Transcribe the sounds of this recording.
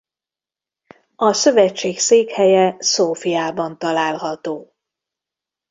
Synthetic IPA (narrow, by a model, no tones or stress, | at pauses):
ɒsø̞vɛt͡ʃːeːkseːkhɛjɛsoːfijaːbɒnt̪ɒlaːlɦɒt̪oː